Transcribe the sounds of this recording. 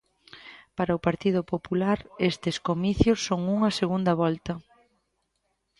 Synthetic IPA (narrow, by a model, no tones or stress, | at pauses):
paɾɐʊpaɾt̪iðʊpopulaɾest̪ɪskomiθjʊsːoŋuŋɐseɣund̪ɐβɔlt̪ɐ